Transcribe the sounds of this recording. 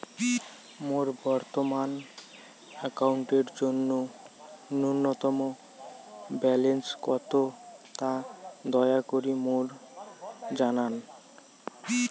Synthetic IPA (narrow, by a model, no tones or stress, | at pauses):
moɾbɔɾt̪oman | ɛkauɳʈeɾd͡ʑonːo | nunːɔt̪ɔmo | bɛlenskɔt̪ot̪ad̪ɔeakoɾimoɾ | d͡ʑanan